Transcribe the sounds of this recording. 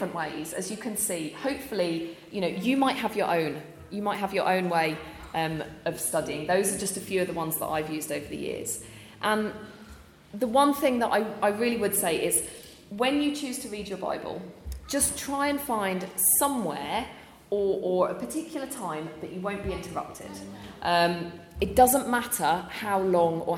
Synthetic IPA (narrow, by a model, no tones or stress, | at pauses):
ɪfɹə̃nʔweɪz̥ə̰zjəkʰə̃nsiːhəʊpfəlijənoʊjəmaɪʔ̚ɦəvjə˞ʔə̰̃ʊ̃n | jəmaɪʔ̚ɦəvjə̰ɹʔə̰̃ʊ̃nweɪʔʌ̃məv̥stʌdiɪ̃ŋðəʊzəd͡ʒʌstəfjʉːəvðəwʌ̃nzðə̰ta̰ɪvjʉːzdəʊvəðə̰jɪ̰əz̥ | ʔə̃n | ðəwʌ̃nθɪ̃ŋðəɾa̰ɪʔaɪɹɪːliwəd̥seɪʔɪz̥ | wə̃njət͡ʃʰʉːz̥tʰəɹiːd͡ʒəba̰ɪbə̰l̥ˠd͡ʒʌstʰɹ̥aɪə̃nfãɪ̃nd̥sʌ̃mwɛ̰ːɹ | əɹəɹəpʰətʰɪkʰjl̩ˠətʰãɪ̃mðət͡ʃəwə̃ʊ̃nb̥iɪ̃ntʰəɹʌ̰p̚tʰɪ̰d̥ʔʌ̃m | ɪt̚d̥ʌzə̃nmatʰəhaʊlɒ̃ŋə̰